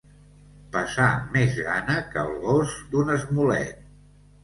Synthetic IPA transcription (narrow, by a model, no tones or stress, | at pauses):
pəsamezɣanəkəlˠɣozd̪unəzmulɛ̰t̪̚